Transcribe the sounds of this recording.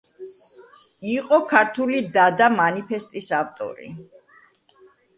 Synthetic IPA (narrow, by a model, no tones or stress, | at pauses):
iqʼɔkʰaɾt̪ʰulid̪ad̪amanipʰɛst̪ʼisaft̪ʼɔ̰ɾḭ